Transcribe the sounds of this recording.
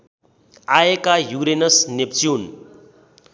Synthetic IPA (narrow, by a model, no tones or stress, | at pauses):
aekajuɾenʌsnept͡sjun